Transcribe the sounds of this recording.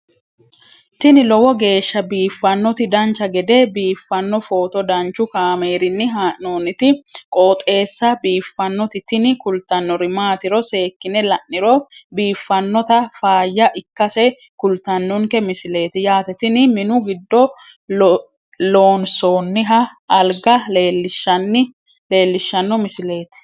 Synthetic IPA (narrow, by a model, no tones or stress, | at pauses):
t̪ɪnɪlɔwɔɡe̞ːʃːɐbiːfːɐnːɔt̪ɪd̪ɐnt͡ʃːɐɡɛd̪ɛbiːfːɐnːɔfo̞ːt̪ɔd̪ɐnt͡ʃːʊkaːme̞ːɾɪnːɪɦaːʔnoːnɪt̪ɪkʼoːt̪ʼe̞ːsːɐbiːfːɐnːɔt̪ɪt̪ɪnɪkʊlt̪ːɐnːɔɾɪmaːt̪ɪɾɔse̞ːkːɪnɛlɐʔːɪɾɔbiːfːɐnːɔt̪ɐfaːjːɐʔɪkːɐsɛ | kʊlt̪ɐnːɔŋkɛmɪsɪle̞ːt̪ɪjaːt̪ɛt̪ɪnɪmɪnʊɡɪd̪ːɔ | loːnsoːnːɪɦɐɐlɡɐleːlːɪʃɐnːɪ | le̞ːlːɪʃːɐnːɔmɪsɪleːt̪ɪ̥